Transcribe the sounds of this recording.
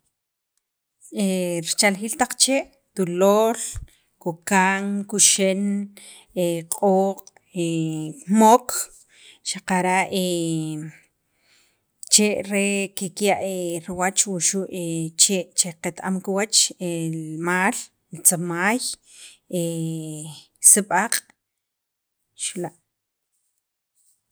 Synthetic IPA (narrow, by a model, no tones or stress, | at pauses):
eɾit͡ʃalxiːlt̪aq͡χt͡ʃeʔ | t̪uloːl | kokaːŋkuʃen | eqʼoːqʼ | emok | ʃaqaɾaʔe | t͡ʃeʔɾekekjaʔeɾiwat͡ʃwuʃuʔet͡ʃeʔt͡ʃeqet̪ʔamkiwat͡ʃemaːl | t͡samaːj | e | siɓaqʼ | ʃulaʔ